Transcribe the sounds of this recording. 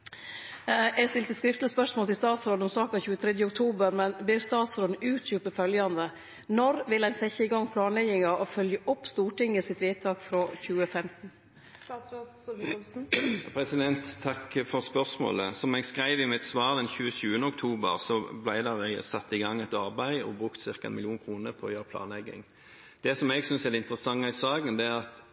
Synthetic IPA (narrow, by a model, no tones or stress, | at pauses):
ʔæɡst̪ɪlt̪əskɾɪft̪ləspœʂmoːlt̪ɪlst̪ɑːt̪sɾoːd̪ɔmsɑːkɑçʉːət̪ʰɾɛd̪jəʊkt̪ʰuːbəɾmɛnblɪɾst̪ɑːt̪sɾoːd̪̩ʉːt̪ʰjʉːpəfœljɑnd̪ə | nɔɾʋɪlæɪnsɛçəɪɡɑŋːpʰlɑːnlɛɡɪŋɑʔɔfœljəʔʊpːst̪uːʈɪŋːəsɪt̪ʋiːt̪ʰɑːkfɾoːçʉːəfɛmt̪n̩ | pʰɾɛsɪd̪ɛnt̪ʰːɑkːfɔʁspœʁsmo̰ːləsɔmɛɡskʁæɪʋɪmɪt̪sʋɑːʁd̪ɛnçʉːəʃʉːənəɔk̚t̪ʰuːbə̰ʁsɔblæɪd̪ɛʁɛɡsɑt̪ːɪɡɑŋːɛt̪ɑʁbæɪɔ̰bʁʉkt̪sɪʁkɑɛ̰nmɪlɪuːnkʰʁuːnəɾpʰɔɔjøːɾəplɑ̰ːnlɛɡɪ̰ŋ | d̪̥ɛsɔmɛɡsʏnsɛd̪ɛɪnt̪əɾəsɑŋːɑɪsɑːɡənd̪ɛæʁɑt̪